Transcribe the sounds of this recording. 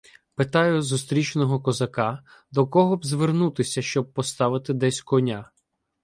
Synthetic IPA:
pɪt̪ɑjʊzust̪ɾʲit͡ʃnɔɦɔkɔzɐkɑd̪ɔkɔɦɔbzʲʋernut̪ɪsʲɐʃt͡ʃɔb̚pɔst̪ɑʋɪt̪ɪd̪ɛsʲkɔnʲa

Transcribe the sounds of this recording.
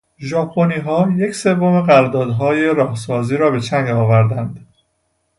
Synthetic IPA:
ʒɒːpʰoniːɦɒːje̞cʰse̞vːo̞me̞ɣæɾd̪ɒːd̪ɦɒːje̞ɾɒːhsɒːziːɾɒːbe̞t͡ʃʰæŋɡɒːvæɾd̪ænd̪

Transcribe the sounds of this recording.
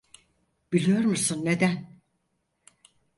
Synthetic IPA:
b̥ilʲijo̞ɾmusunːe̞d̪æn

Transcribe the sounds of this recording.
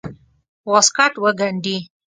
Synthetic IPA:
wɔskaʈwəɡaɳɖi

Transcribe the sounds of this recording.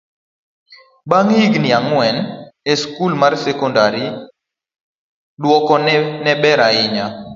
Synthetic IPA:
baŋiɡnɪaŋwɛnɛskulmarsɛkɔndaɾi | dwɔkɔnnɛbɛɾaɪɲa

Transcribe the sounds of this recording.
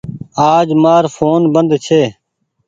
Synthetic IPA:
aːd͡ʒmaːɾfʰoːnbənd̪t͡ʃʰeː

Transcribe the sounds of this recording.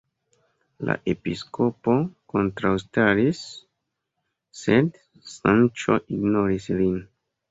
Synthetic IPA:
la̰ʔe̞pisko̞po̞ko̞ntɾawstaɾis | e̞d | sant͡ʃo̞̰ʔiɡno̞ɾislin

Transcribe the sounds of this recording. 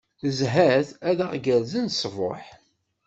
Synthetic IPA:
θəzɦæθæðaʁɡæɾzənsˤvo̰ħ

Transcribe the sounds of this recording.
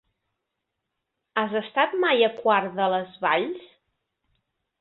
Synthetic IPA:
azəst̪at̪majəkwaɾðələzβa̰ʎs

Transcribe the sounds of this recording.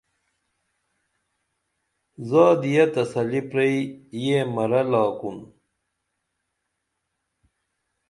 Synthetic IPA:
zaːd̪ijɐt̪ɐsɐlipɾeijemɐɾɐlaːkun

